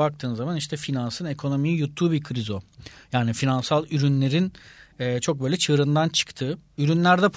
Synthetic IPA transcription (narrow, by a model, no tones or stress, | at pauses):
ak̚t̪ʰɯːnzamaniʃt̪ʰɛfinansɯne̞kʰo̞no̞mijijut̪ʰːuːbikʰɾizo̞jaːnifinansalˠyɾynlʲe̞ɾinɛːt͡ʃʰo̞k̚bø̞jlʲɛt͡ʃʰɯːɾɯnd̪ant͡ʃʰɯ̥kt̪ʰɯːyɾynlʲæɾd̪ɛpʰ